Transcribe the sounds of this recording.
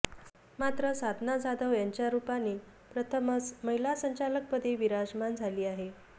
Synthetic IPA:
mat̪ɾəsad̪ʱnad͡zad̪əʋjaɲt͡ɕjaɾupane | pɾət̪ʰəmət͡sməɦilasəɲt͡ɕalək̚pəd̪ʱeʋiɾad͡ʑmand͡zʱaliːaɦe

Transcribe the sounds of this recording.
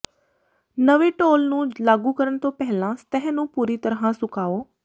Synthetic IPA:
nəʋeʈoːlnũːlaːɡukəɾəɳ̃t̪õːpɛɦɪlãst̪ɛɦnũːpuːɾit̪əɾɦãsʊkaːoː

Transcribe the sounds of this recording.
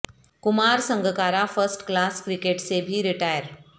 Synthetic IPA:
kumaɾsəŋɡʱəkaɾafəsʈklaskɾikeʈsebʱiːɾiʈajəɾ

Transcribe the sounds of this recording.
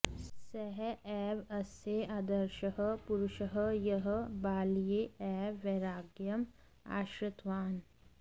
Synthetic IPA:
sɛɦɛɛːʋɐseaːd̪ɐɾʃəɦəpuɾʊʃəɦəjɐɦəbaːlijeɛːʋːeɾaːɡjɐm | a̰ːʃɾɪt̪ʋaːn

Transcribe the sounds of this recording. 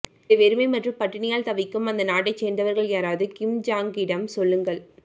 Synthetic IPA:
ʋɛɾɯmɐɪmɐʈrɯmpɐʈːɪɳɪjaːlt̪ɐʋɪkːɯmɐnd̪ɐnaːʈ̬ːɐɪt͡ʃːeːnd̪ɐʋɐɾɣɐɭjaːɾaːðɯkɪmd͡ʒaːŋɡɪɽɐmsɔlːɯŋɡɐɭ

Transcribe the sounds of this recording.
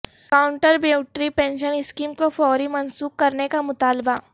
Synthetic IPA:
kaːʊ̃ɳʈəɾbeːʊʈɾipẽːnʃənɪskiːmkofɔːɾimɐnsuːkːɐɾnekamʊt̪aːlba

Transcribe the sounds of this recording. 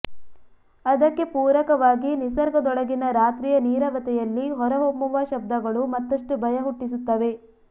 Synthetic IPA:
ɐd̪ɐkːe̞puːɾɐkɐʋaːɡinisɐɾɡɐd̪ɔɭɐɡinɐɾaːt̪ɾiːjɐniːɾɐʋɐt̪ɛjɐlːiɦɔɾɐɦomːuʋaʃɐb̚d̪ɐɡɐɭumɐt̪ːɐʂʈubʱɐjɐɦuʈːisut̪ːɐʋe̞

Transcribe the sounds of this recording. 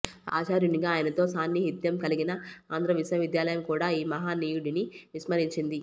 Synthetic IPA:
a̰ːt͡ʃaːɾjuniɡaːjɐnɐt̪o̞ːsaːnjiɦit̪jɐmkɐliɡinɐaːnd̪ɾɐʋisɐɐʋid̪jaːlɐjɐmkuːɽaːiːmɐɦaːniːjuɽiniʋismɐɾiɲt͡ʃind̪i

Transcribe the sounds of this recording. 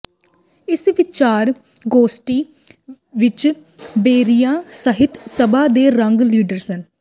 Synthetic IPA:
ɪsʋɪt͡ʃaːɾ | ɡoːsʈiː | ʋɪt͡ʃ | beːɾijãːsəɦɪt̪səbaːd̪eːɾəŋɡliːɖəɾsən

